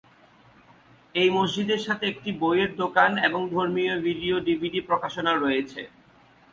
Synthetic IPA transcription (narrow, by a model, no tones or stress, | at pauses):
ejmod͡ʑd͡ʑid̪eɾʃat̪ʰeek̚ʈibojeɾd̪okaneboŋd̪ʱoɾmiobʱiɖioɖibʱiɖipɾokaʃonaɾoet͡ɕʰḛ